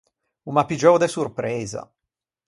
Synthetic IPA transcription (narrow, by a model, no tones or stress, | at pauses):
umapid͡ʒɔwd̪esurpɾɛːza̰